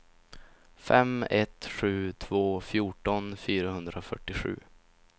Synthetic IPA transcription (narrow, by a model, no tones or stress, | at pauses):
fɛmɛt̪ɧʉ̟ːt̪ʰvoːfjuːʈɔnfyːɾahɵnd̪ɾafœʈːɪɧʉ̟̰ː